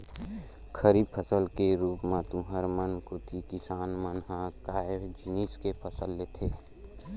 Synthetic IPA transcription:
kʰəɾib̚pʰəsəlkeɾuːpmãt̪ũɦəɾmənkot̪ʰikɪsaːnmənɦãkaeɾd͡ʒʱɪniːskepʰəsəlːet̪ʰe

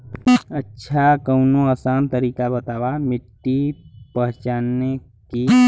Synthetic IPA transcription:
ətːʃʰakəʊnoasaːnt̪əɾiːkabət̪aːʋamɪʈːipəɦt͡ʃaːnːe | ki

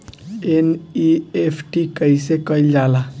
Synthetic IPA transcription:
eniepʰʈikəjsekəld͡ʒala

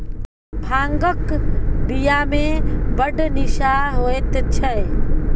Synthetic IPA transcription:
bʱaŋɡəkbijamebəɖniʃaɦoet̪t͡ʃʰɛ

